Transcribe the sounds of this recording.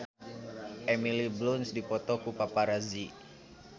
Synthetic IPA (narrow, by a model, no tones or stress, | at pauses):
ʔemiliblunsdipɔt̪ɔkupapaɾazi